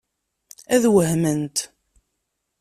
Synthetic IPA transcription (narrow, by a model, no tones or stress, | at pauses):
æðwəɦmənt̪